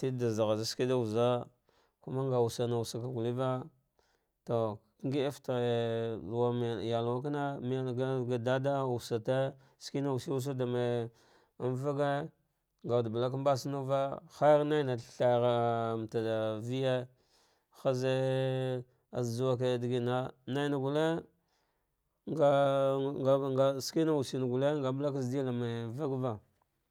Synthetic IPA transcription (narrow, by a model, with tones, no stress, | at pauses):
ti˦da˨za˨ɣa˨za˦ski˦da˦u˨za˦ | ku˦ma˦ŋɡa˨wu˨sa˨na˨u˨sa˨ka˨ɡu˨li˦va˦ | to˨˦ | ŋɡi˦e˦fta˨wa˦m˨ja˨lwa˦k̬a˦na˦m˦ɡɡa˨da˦da˦u˨sa˨te˦ | ski˦na˦u˨si˦wu˦s̬a˦da˨ma˨ | a˦nva˦ɡe˦ | ŋɡa˨dba˨la˦k̬mba˦si˦nu˦va˦xa˦ɾna˦jna˨ɬa˨jɣa˨m˨ta˨da˨vi˦je˦ | xa˦ze˦ | a˨zd͡ʒu˦wa˦k̬e˨di˨ɡi˨na˦na˦jna˨ɡu˨le˦ | a˦ɡa˨ɡski˦na˦wu˨si˨n˨ɡu˨le˦ŋɡa˨bla˦k̬a˦zdi˦la˨ma˨va˦ɡva˦